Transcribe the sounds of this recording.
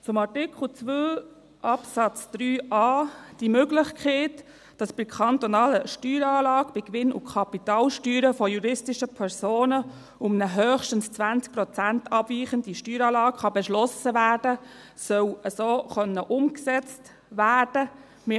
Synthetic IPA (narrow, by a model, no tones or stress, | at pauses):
t͡sʊmɑɹtɪkχl̩ˠt͡sʋøː | ʔɑpsɑt͡sd̥ɾyːʔɑːd̥imøɡlɪχkʰχeːt | d̥ɑsb̥ɪkʰɑnt̪ɔnɑːləʃtyːɾɑːlɑːɡ̥b̥ɪkʋɪnʊ̰kʰɑpitɑːlʃtyːɾəfɔjuɾɪstɪʃəpʰɛɾsoːnə | ʊmnəɦœːχʃtən̩st͡sʋænt͡sk̚pɾɔt͡sæntɑbviːχənd̥iʃtyːɾɑːlɑːkχɑbɛʃlɔsəʋæːɾd̥ə | sœwəsoːχœnːəʔʊmksɛt͡st | ʋæːɹd̥ə | mɪ